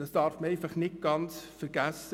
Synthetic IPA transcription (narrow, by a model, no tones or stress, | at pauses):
d̥ɑsd̥ɑɾfməɛɪfɑχnɪt̚ɡ̥ɑnt͡sfəɾɡ̥æsə